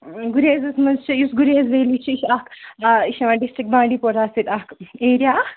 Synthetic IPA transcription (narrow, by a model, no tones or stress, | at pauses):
ɡuɾeːzɐsmɐzt͡ʃʰijusɡuɾeːzʋeːlit͡ʃʰiiʃakiʃɐmaɖisʈɾik̚bãːɳɖiːpoɾaːsit̪ahkeːɾjaː